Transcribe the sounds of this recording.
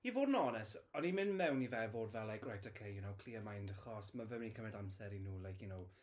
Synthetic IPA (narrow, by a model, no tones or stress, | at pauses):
ivoːdnɔnɛsɔnimɪnmɛwnivɛvoːdvɛlˠajkʰrajtʰɔkʰejjunowkʰl̥iːəmajndəχɔsmavɛmnikʰəmɛdamsɛɾinuːlˠajkʰjʊnow